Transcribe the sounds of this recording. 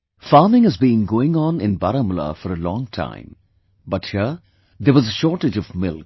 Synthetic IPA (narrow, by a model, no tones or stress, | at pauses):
faːmɪ̃ŋɪzbiːɪ̃ŋɡoːɪ̃ŋɔ̃nɪ̃nbaɾəmla̰fɔɾəlɔ̃ːŋtʰã̰ɪ̃m | bʌthə | d̪əʋɔzəʃɔːɾʈɪd͡ʒɔvmɪlk̚